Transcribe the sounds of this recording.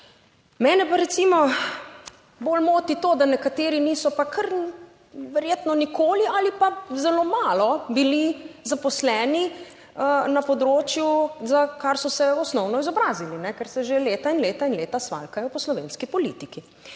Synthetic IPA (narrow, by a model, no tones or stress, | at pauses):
mɛːnɛpaɾɛt̪simɔ | boːlmoːt̪it̪oːd̪anɛkat̪eːɾiniːsɔpakʰəɾ | ʋɛɾjeːt̪nɔnikoːlialipazɛloːmaːlɔbilizapɔslɛːni | ənɐpɔd̪ɾoːt͡ʃjuzakaɾsɔsɛɔsnɔwnɔizɔbɾaːzilinɛkɛɾsɛʒeleːt̪ainleːt̪ainleːt̪asʋa̰ːlkajɔpɔslɔʋeːnskipɔlḭt̪iki